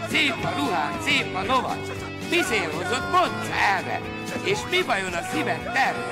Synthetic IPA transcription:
seːpɒɾuɦaːseːfɒlovɒ̰t̪ | miseːlɦozot̪mont̪sɛɾɛ̰ | eːʃmivɒjonɒsivɛnt̪ɛr

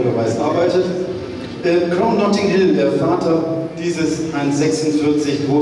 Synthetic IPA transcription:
dəvaɪsʔa̰ɐbaɪtət | ʔɛːkʁ̥aʊnːɔtɪŋɦɪlndeːɐfaːtʰɐd̥iːzəsaɪnzɛksʊ̃ntfɪɐt͡sɪçvo

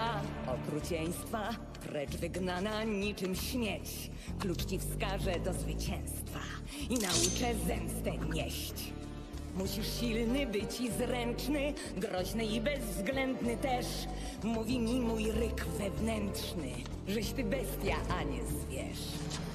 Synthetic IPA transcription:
aɔkɾut͡ɕɛj̃st̪fa | ɾɛt͡ʂvɘɡnanaɲit͡ʂɘmɕmʲjɛt͡ɕ | klut͡ʂt͡ɕifskaʐɛd̪ɔzvɘt͡ɕɛ̃w̃st̪fa | inaut͡ʂɛzɛmst̪ɛɲɛɕt͡ɕ | muɕiʂɕilnɘbɘt͡ɕizɾɛnt͡ʂnɘ | ɡɾɔʑnɘibɛzvzɡlɛnd̪nɘt̪ɛʂ | muvʲimʲimujɾɪkvɛvnɛntʂnɘ̰ | ʐɛɕt̪ɘbɛst̪ʲjaʔaɲɛzvʲjɛ̰ʂ

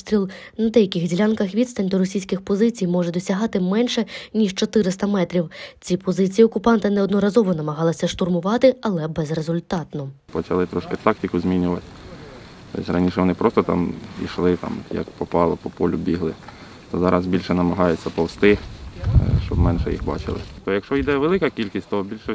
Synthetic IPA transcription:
st̪ʲɾʲilˠ | nɐd̪ɛjɐkʲɪxdʲilʲankɐxʋʲid̪st̪ɐnʲd̪ɔɾɔsʲijsʲkʲɪxpɔzɪt͡sʲijmɔʒɛd̪ɔsʲɐɦɑt̪ɪmɛnʃɛnʲiʃt͡ʃɔt̪ɪɾɪst̪ɐmɛt̪ɾʲiwt͡sʲipɔzɪt͡sʲijiɔkʊpɑnt̪ɐnɛɔd̪nɔɾɐzɔʋɔnɐmɐɦɑlˠɐsʲɐʃt̪ʊrmʊʋɑt̪ɪɐlˠɛbɛzrezʊlʲt̪ɑt̪nɔ | pɔt͡ʃɐlˠɪt̪ɾɔʃkɪt̪ɑk̚tʲɪkʊzmʲinʲʊʋɐt̪ʲ | t̪ɔ̰sʲrɐnʲiʃɛʋɔnɪpɾɔst̪ɔt̪ɑ̰mḭʃlˠɪt̪ɑ̰mjɐ̰kpɔpɑlˠɔpɔpɔlʲʊbʲiɦlˠɪ | t̪ɔzɑɾʔɐzbʲilʲʃɛnɐmɐɦɑjʊt͡sʲːɐpɔwst̪ɪ | ʃt͡ʃɔbmɛnʃɛjḭxbɑ̰t͡ʃɪ̰lˠɪ̰t̪ɔjɐkʃt͡ʃɔjd̪ɛʋelˠɪkɐkʲilʲkʲisʲtʲt̪ɔbʲilʲʃɛ

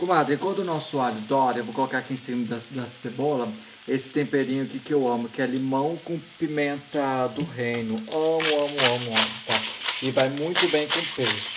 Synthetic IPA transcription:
kõmad̪ɾẽkwɐ̃nd̪ʊnɔsʊaʎʊd̪ɔɾewvowkolokaɾakiẽj̃sĩmɐd̪ɐd̪ɐsebɔlɐ | esɪ̥t̪ẽmpeɾĩɲʊkɪkɪewɐ̃mʊkɪɛlimɐ̃w̃kõpimẽnt̪ɐd̪ʊɦẽjnʊɐ̃mʊɐ̃mʊɐ̃mʊɐ̃mʊt̪aɪvajmũj̃t̪ʊbẽj̃kõpeɾʊ

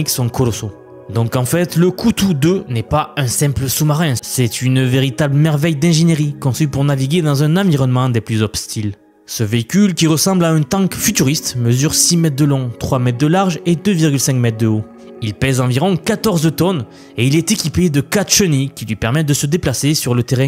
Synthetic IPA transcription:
iksɔ̃kɔlɔso | d̪ɔ̃kɑ̃fɛt̪ləkʰut̪ud̪ønɛpaɛ̃sɛ̃pləsumaʁɛ̃sɛt̪ʰynveʁit̪abləmɛʁvɛjd̪ɛ̃ʒeneʁikɔ̃sypuʁnaviɡʲed̪ɑ̃zɛ̃nãviʁɔnmɑ̃d̪eplyzɔpst̪ʰil | səveikʲylkʲiʁəsɑ̃blaɛ̃t̪ɑ̃kfyt̪yʁist̪məzyʁsimɛt̪̚d̪əlɔ̃t̪χwamɛt̪̚d̪əlaʁʒed̪øviʁɡʲylsɛ̃ŋkmɛt̪̚d̪əo | ilpɛzɑ̃viʁɔ̃kat̪ɔʁzət̪ɔn | eilɛt̪ekʲiped̪əkat̪ʃənikʲilɥipɛʁmɛt̪̚d̪əsəd̪eplasesyʁlət̪eʁɛ̃

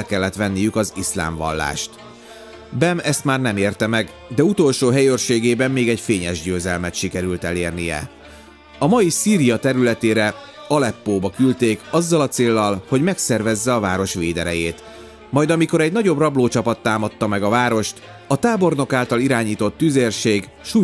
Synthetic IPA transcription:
kɛlːɛt̪ʋɛnːijykɒzisla̰ːɱvɒ̰lːa̰ːʃt̪ | bɛmɛst̪maːrnɛmeːrt̪ɛmɛɡ | d̪ɛut̪o̞lʃoːɦɛjøːrʃeːɡeːbɛmːeːɡɛɟfeːɲɛʒɟøːzɛlmɛt̪ʃikɛɾylt̪ɛleːrnijɛ̰ | ɒmɒjisiːɾijɒt̪ɛɾylɛt̪eːɾɛ | ɒlɛpːoːbɒkylt̪eːkɒzːɒlɒt̪seːlːɒlho̞ɟmɛksɛrvɛzːɛɒvaːɾo̞ʃʋeːd̪ɛɾɛ̰jeːt̪ | mɒjd̪ɒmiko̞ɾɛɟnɒɟo̞brɒbloːt͡ʃɒpɒt̪ːaːmɒt̪ːɒmɛɡɒvaːɾo̞ʃt̪ | ɒt̪aːbo̞rno̞kaːlt̪ɒliɾaːɲiːt̪o̞t̪ːyːzeːrʃeːɡ | ʃu

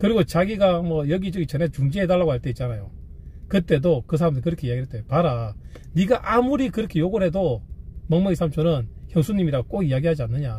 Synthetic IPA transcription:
kɯɾiɡot͡ɕaɡiɡamwʌjʌɡit͡ɕʌɡit͡ɕʌnet͡ɕuŋd͡ʑiɦed̬aɭːlːaɡohaɭt͈e̞it̚t͡ɕ͈anajo | kɯt͈e̞dokɯs̬ʰaɾamdɯɭkɯɾʌkʰe̞ijaɡiɦɭt͈epaɾa | niɡaʔamuɾikɯɾʌkʰe̞joɡoɾɦe̞domʌŋmʌisʰamt͡ɕʰonɯnçjʌŋsʰuɲːimiɾaɡok͈oɡiaɡiɦad͡ʑianːɯɲa

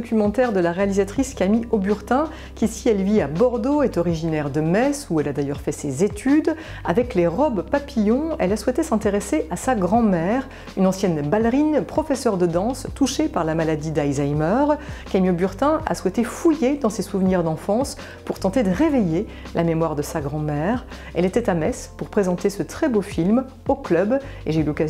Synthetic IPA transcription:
ɔkʲymɑ̃t̪ɛʁd̪əlaʁealizat̪χiskamiobyʁt̪ɛ̃ | kʲisiɛlviabɔʁd̪oɛt̪ɔʁiʒinɛʁd̪əmɛsuɛlad̪ajœʁfɛsezet̪ʰyd̪ | avɛkleʁɔbpapijɔ̃ɛlaswɛt̪esɛ̃t̪eʁeseʔasaɡʁɑ̃mɛʁ | ynɑ̃sjɛnbalʁinpχɔfɛsœʁd̪əd̪ɑ̃st̪uʃepaʁlamalad̪id̪ajzajmœʁkamjobyʁt̪ɛ̃ʔa̰swɛt̪efujed̪ɑ̃sesuvniʁd̪ɑ̃fɑ̃s | puʁt̪ɑ̃t̪ed̪əʁeveje | lʔamemwaʁd̪əsaɡʁɑ̃mɛʁ | ɛlet̪ɛt̪amɛspuʁpχezɑ̃t̪esət̪χɛbofilm | oklœbeʒeylɔka

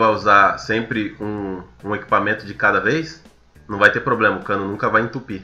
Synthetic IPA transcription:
vajuzasẽmpɾɪũũeki̥pamẽnt̪ʊd͡ʒɪkad̪ɐvejs | nɐ̃w̃vajt̪eɾpɾoblẽmɐkɐ̃nd̪ʊnũŋkɐvajĩt̪upi

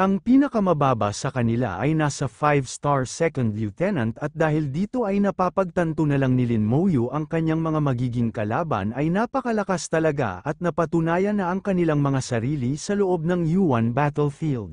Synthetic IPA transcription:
ʔɐŋpiːnɐkɐmɐbaːbɐ̰sɐkɐnɪla̰ʔɐjnasɐfajvst̪aɹsɛkɐnd̪jut̪ɛnɐnt̪ɐt̪̚d̪aːhɪld̪iːt̪o̞ʔɐjnɐpaːpɐɡ̚t̪ɐnt̪onɐlaŋnɪlɪnmowjuʔɐŋkɐɲːaŋmɐŋamɐɡiːɡɪŋkɐlaːbɐ̰nɐjnapɐkɐlɐkast̪ɐlɐɡa̰ʔɐt̪̚nɐpɐt̪ʊnaːjɐnːɐʔɐŋkɐnɪlaŋmɐŋasɐɾiːlisɐloʔo̞b̚nɐŋjuwɐnbat̪ɛlfild̪

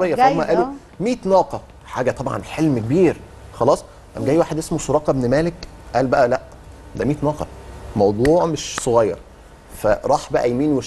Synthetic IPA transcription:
ejːææmæʔæːlu | miːt̪nɑːqɑ | ħaːɡæt̪ˤɑbʕɑ̰nħelmkebiːɾ | xɑlɑːsˤ | ʔæ̰mɡæːjwaːħed̪ʔesmoʃoɾˤɑːqɑbnmæːlek | ʔæːlbæʔælæʔ | d̪æmiːt̪nɑːqɑ̰mɑwd̪ˤuːʕmeʃsˤoɣɑjːɑ̰ɾˤ | fæɾˤɑːħbæʔæjmiːnweʃ

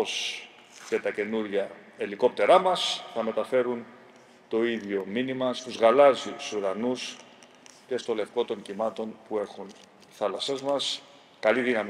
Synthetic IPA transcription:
os | ce̞t̪ɐce̞nuɾʝɐ | eliko̞p̚t̪e̞ɾɐmɐsθɐme̞t̪ɐfe̞ɾun | t̪o̞iðʝo̞minimɐst̪uzɣɐlɐzisuɾɐnus | ce̞st̪o̞le̞fko̞t̪o̞ɲcimɐt̪o̞npue̞ɾxun | θɐlɐse̞zmɐs | kɐliðinɐm

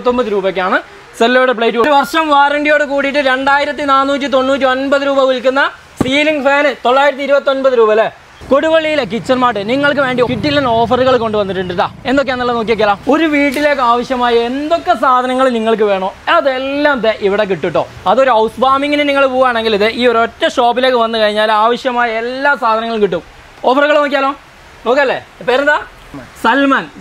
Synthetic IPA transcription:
t̪ːombɐðɨɾuːbɐkːaːɳɨ | selːoːɽepɭejʈːukoɾʋɐrʂɐmʋaːrɐɳɖijo̞ːɽekuːɽiʈːɨɾe̞ɳɖaːjiɾɐt̪̬ːinaːnːuːt̬ʲːit̪o̞nːuːt̬ʲːionbɐðɨɾuːbɐʋulkunːɐ | siːliŋɡɨfeːnɨt̪o̞ɭːaːjiɾɐt̪ːiɾubɐt̪ːo̞nbɐðɨɾuːbɐle | ko̞ɽuʋɐɭːijilek̬it͡ɕːɐnmaːʈːɨniŋːɐɭk̬ɨʋe̞ːɳɖikiʈːilːeno̞ːfɐruɣɐɭko̞ɳɖɨʋɐnːiʈːuɳɖiʈːaːe̞nd̪o̞k̬ːenːɐlːɐno̞ːk̬ːiʋɐkːjɐlaːmo̞ɾuʋiːʈ̬ːile̞ːkːɨaːʋɐɕjɐmaːjɐe̞nd̪o̞kːe̞saːd̪ʱɐnɐŋːɐɭniŋːɐɭk̬ɨʋe̞ːɳoːɐðelːaːmt̪eʔiʋiɽe̞k̬iʈːiʈːo̞̰ː | ɐðo̞ɾuɐwsbaːmiŋːɐnɨniŋːɐɭpuːʋaːɳe̞ŋɡiliðɨʔiːoɾotːɐʂoːpːileːkːɨʋɐnːɨkɐɻiɲːaːlaːʋɐɕjɐmaːjɐe̞lːaːsaːd̪ʱɐnɐŋːɐɭkiʈːum | o̞ːfɐrɣɐɭnoːk̬ːijaːloː | no̞ːkːiɐlːḛpeːɾɐnɐd̪aː | sɐlmaːn

